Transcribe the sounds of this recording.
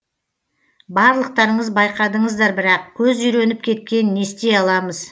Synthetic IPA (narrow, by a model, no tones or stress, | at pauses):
bɑɾlˠəq̚t̪ɑɾəɴəzbɑjqɑd̪əɴəzd̪ɑɾbɪɾɑq̚kʲʰɵzʏjɾe̞nɪp̚kʲʰe̞t̪̚kʲe̞nnːe̞st̪e̞jɑlˠɑməz̥